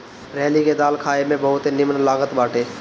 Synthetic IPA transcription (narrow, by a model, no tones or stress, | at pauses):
ɾɛːliked̪aːlkʰaːemẽbəɦʊt̪enɪmnlaːɡət̪baːʈʰeː